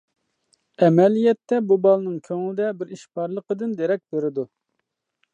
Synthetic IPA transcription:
ɛmɛlijɛt̪ʰːɛbubɑlˠnɨŋkʲʰøŋlɪd̪ɛbɪɾiʃpʰɑɾlˠəqəd̪ɨnd̪eɾɛk̚ʲbeɾɪd̪u

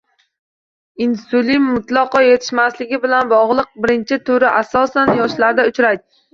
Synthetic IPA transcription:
insulimːʊt̪lˠɑqɒje̞t̪ʰɪ̥ʃmaslɪɡʲɪbɪlanbɒʁlˠɨq̚bɪɾɪnt͡ʃʰɪt̪ʰʊɾɪʔasɒsanjɒʃlaɾd̪aʊt͡ʃɾajd̪ɪ

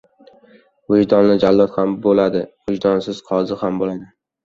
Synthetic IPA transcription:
wod͡ʒd̪ɒnlɪd͡ʒalːɒt̪hambolad̪ɪwʊʒd̪ɒnsɪz̥qʰɒzɪhambolad̪ɪ

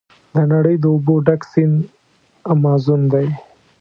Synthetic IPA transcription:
d̪ənaɽəjd̪əʊboɖaksin | amɑzund̪aj

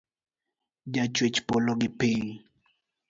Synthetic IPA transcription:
d͡ʒat͡ʃwet͡ʃpɔlɔɡɪpɪŋ

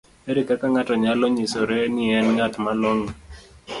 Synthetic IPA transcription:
eɾikakaŋatɔɲalɔɲisɔɾɛnɪɛnŋatmalɔŋ

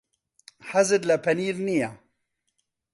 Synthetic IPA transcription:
ħazɪd̪lapaniːɾnija

